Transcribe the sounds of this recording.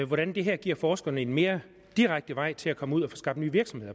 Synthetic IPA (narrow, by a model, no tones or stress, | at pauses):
ʋɒɾænd̥e̝ɦæɐ̰ɡ̥iɐ̰fɒːsɡ̥ɐnəe̝nme̝ːɐ | d̥iʁaɡ̥̚d̥əʋɑ̈ɪ̰t͡sʰe̝lækʰɒ̽məuð̰ˠɐfosɡ̥ɑ̈b̥̚d̥nyːʋiɐɡ̥sɒ̽mhe̝ð̰ˠɐ